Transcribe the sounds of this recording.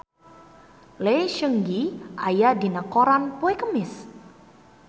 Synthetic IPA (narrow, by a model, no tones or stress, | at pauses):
leʃəŋɡiʔajadinəkoɾanpoekəmɪs